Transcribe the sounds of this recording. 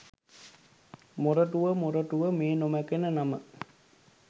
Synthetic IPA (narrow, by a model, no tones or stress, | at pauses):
moɾəʈuʋəmoɾəʈuʋəmeːnomækenənamə